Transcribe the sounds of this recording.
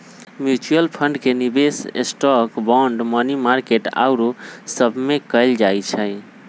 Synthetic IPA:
mjut͡ʃuəlpʰəɳɖkenibesḛsʈɔkbɔ̃ɳɖmənimaɾkeʈa̰ʊɾosəbʱmekəɪld͡ʒajt͡ʃʰəj

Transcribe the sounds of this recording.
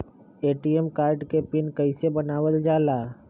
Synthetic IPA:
eːʈiɛmkaːɾɖkepɪnkɐɪsebənaːʋəld͡ʒaːlaː

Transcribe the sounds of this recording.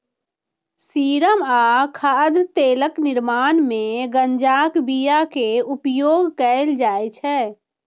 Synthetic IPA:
siːɾəmaːkʰaːd̪t̪eːləknɪɾmaːnmẽɡənd͡ʒaːkbijakeupjoːɡkəɪld͡ʒaːjt͡ʃʰɛː

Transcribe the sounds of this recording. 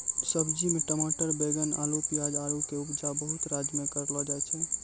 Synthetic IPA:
səbd͡ʒimeʈəmaʈəɾbeɡəna̰lopijad͡ʒaɾukeupd͡ʒabəɦut̪ɾad͡ʒmekəɾlɔd͡ʒaɛt͡ʃʰɛ

